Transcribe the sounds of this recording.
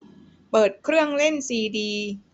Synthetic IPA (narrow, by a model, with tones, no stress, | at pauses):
pɤː˨˩t̪̚kʰɾɯ˥˩əŋle˥˩nsiː˧diː˧